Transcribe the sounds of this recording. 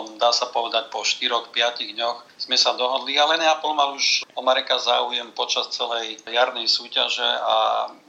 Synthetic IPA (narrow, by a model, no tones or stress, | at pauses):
md̪aːsapɔʋɛd̪ac̚pɔʃt̪iɾɔxpɪaciɣd̪ɲɔx | z̥mɛsad̪ɔɦɔd̪lialɛnjapɔlmaluʃɔmaɾɛkazaːujɛmpɔt͡ʃast͡sɛlɛjjaɾnɛjsuːcaʒɛa̰